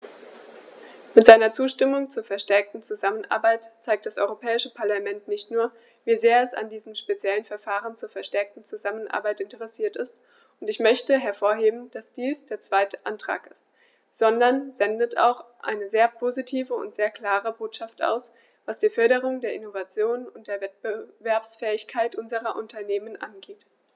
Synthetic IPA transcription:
mɪtz̥aɪnɐt͡suːʃtɪmʊŋt͡suːɐfɛɐʃtɛɐk̚tn̩t͡suzamənʔa̰ːɐbaɪtt͡saɪk̚td̥asʔɔ̰ʏʁopʰɛːɪʃəpʰaɐlamɛntnɪçtnuːɐ | viːzeːɐɛsa̰ndiːzəmʃpet͡sjɛlənfɛɐfaːʁənt͡suːɐfɛɐʃtɛɐk̚tn̩t͡suzamənʔa̰ɐbaɪtɪntəʁɛsiːɐtɪst | ʔʊntɪçmœçtəɦɛɐfoːɐɦeːbm̩d̥asd̥iːsd̥eːɐt͡sv̥aɪtə̥ʔantʁ̥a̰ːkɪst | z̥ɔndɐnzɛndətʰa̰ʊxʔa̰ɪnəzeːɐpʰozitʰiːvəʊ̰ntz̥eːɐkl̥aːʁəboːtʃaftʔa̰ʊs | vasd̥iːfœɐɾəʁ̞ʊŋdeːɐʔɪnovat͡sjoːnʊnt̚d̥eːɐvɛt̚b̥əvɛɐpsfɛːɪçkʰaɪtʔʊnzəʁɐʔʊntʰɐneːmənʔa̰nɡeːt

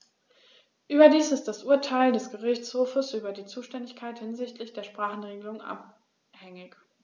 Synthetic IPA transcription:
ʔyːbɐdiːsɪstd̥asʔuːɐtʰaɪldɛsɡ̥əʁɪçt͡shoːfəsʔyːbɐdiːt͡suːʃtɛndɪçkʰaɪthɪnzɪçtʰlɪçd̥eːɐʃpʁ̥aːχn̩ʁeːɡəlʊŋʔa̰p | hɛŋɪç

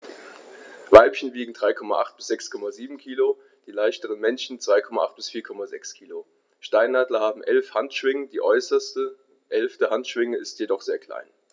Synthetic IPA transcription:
vaɪpçən̩viːɡŋ̩d̥ʁaɪkʰɔma̰ʔa̰χt̚b̥ɪsz̥ɛkskʰɔmaziːbm̩kʰiːlo | d̥iːlaɪʃtəʁənmɛnʃn̩t͡sv̥aɪkʰɔma̰ʔa̰χt̚b̥ɪsfiːɐkʰɔmazɛkskʰiːlo | ʃtaɪnːaːdlɐhaːbm̩ʔɛlfhantʃv̥ɪŋədiːʔɔʏsɐstə | ʔɛlftəhantʃv̥ɪŋəɪstjedɔχz̥eːɐkʰl̥a̰ɪn

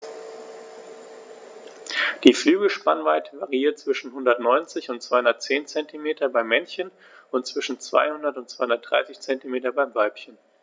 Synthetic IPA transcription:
d̥iːflyːɡl̩ʃpanvaɪtʰəvaʁiiːɐt̚t͡sv̥ɪʃn̩ɦʊndɐtnɔʏnt͡sɪçʊntt͡sv̥aɪhʊndɐt̚t͡seːnt͡sɛntimeːtʰɐbaɪmɛnçən | ʊntt͡sv̥ɪʃn̩t͡sv̥a̰ɪhʊndɐtʊntt͡sv̥aɪhʊndɐt̚d̥ʁa̰ɪsɪçt͡sɛntimeːtɐbaɪmvalpçən

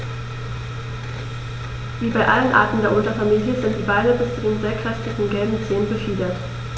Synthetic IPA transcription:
viːbaɪʔalənʔa̰ɐtn̩deːɐʔʊntɐfamiːljəzɪnt̚d̥iːbaɪnəbɪst͡sudeːnzeːɐkʁ̥ɛstɪçnŋ̩ɡɛlbm̩t͡seːənbəfiːdɐt

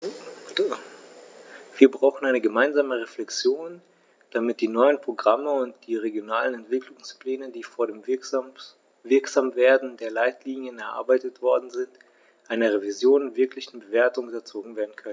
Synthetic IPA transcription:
v̥iːɐbʁaʊxn̩aɪnəɡəmaɪnzaːməʁeflɛkt͡sjoːn | d̥amɪt̚d̥iːnɔʏənpʁ̥oɡʁaməʊntd̥iːʁeɡjonaːlənɛntv̥ɪklʊŋspl̥ɛːnədiːfoːɐɾeːm | vɪɐkz̥aːmveːɐdn̩deːɐlaɪtliːnjənɛɐʔa̰ɐbaɪtətv̥ɔɐdn̩zɪnt | ʔaɪnɐʁ̞evizjoːnvɪɐklɪçn̩bəveːɐtʊŋʊtɐt͡soːɡŋ̩veːɐdn̩kʰœnən

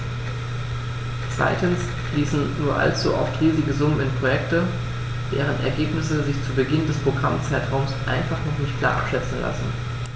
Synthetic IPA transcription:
t͡sv̥a̰ɪtn̩s | liːsn̩nuːɐʔa̰lt͡suːʔa̰ʊfʁiːzɪɡəzʊmənɪnpʁ̥ojɛktə | d̥eːʁ̞ənʔɛ̰ɐɡeːpnɪsəzɪçt͡suːbəɡɪndɛspʁ̥oɡʁamt͡saɪtʁ̥aʊmsʔaɪnfaχnɔχnɪçt̚kʰl̥a̰ːɐʔa̰pʃɛt͡sn̩la̰sn̩

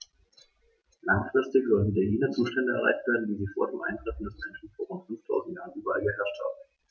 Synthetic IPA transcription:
laŋfʁ̥ɪstɪçz̥ɔltn̩deːɐjiːnɐt͡suːʃtɛndəɛ̰ɐ̞a̰ɪçtv̥eːɐdn̩diːziːfoːɐdeːmʔa̰ɪntʁ̥ɛfn̩dɛsmɛnʃn̩foːɐʁʊntfʏnftʰaʊzn̩tjaːʁən̩ʔyːbɐalɡəɦɛɐʃtha̰ːbm̩

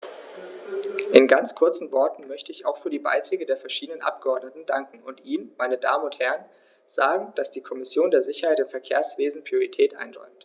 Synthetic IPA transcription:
ʔɪnɡant͡skʰʊɐt͡sn̩vɔɐtn̩mœçtəɪçaʊxfyːɐdiːba̰ɪtʁ̥ɛːɡədeːɐfɛɐʃiːdənənʔa̰p̚ɡ̥əɔɐdnətn̩daŋkŋ̩ʊntʔiːnmaɪnədaːmənʊnthɛʁən | z̥aːɡŋ̩d̥asd̥iːkʰɔmɪsjoːndeːɐzɪçɐhaɪtɪmfɛɐkʰeːɐsv̥eːzn̩pʁ̥ioʁitʰɛːtʔa̰ɪnʁɔ̰ʏmt

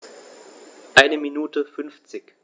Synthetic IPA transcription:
ʔaɪnəminuːtəfʏnft͡sɪç

